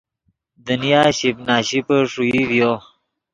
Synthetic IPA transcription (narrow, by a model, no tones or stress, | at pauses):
d̪ənijaːɕibnaːɕipəʂuidjo